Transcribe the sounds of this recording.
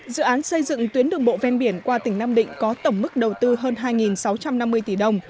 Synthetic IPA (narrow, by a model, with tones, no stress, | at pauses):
zɨ̰˧˨ʔaː˨˦nsə˧jzɨ̰˧˨ŋt̪wi˨˦ənɗɨ˧˩ŋɓo̰˧˨vɛ˧nɓi˧˩ənkwaː˧t̪ï˧˩ŋ̟naː˧mɗḭ̈˧˨ŋ̟kɔ˨˦t̪ə˧˩wŋ͡mmɨ˦˥k̚ɗə˨˩wt̪ɨ˧ɦəː˧nɦaː˧jŋi˨˩nsa˨˦wt͡ɕa˧mna˧mːɨ˧əjt̪i˧˩ɗə˧wŋ͡m